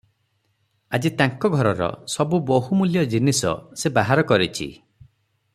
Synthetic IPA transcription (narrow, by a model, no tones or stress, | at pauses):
ad͡ʒit̪aŋkɔɡʱɔɾɔɾɔ̰sɔbuboɦumuljɔd͡ʒinisɔ̰sebaɦaɾɔkɔɾit͡ʃʰḭ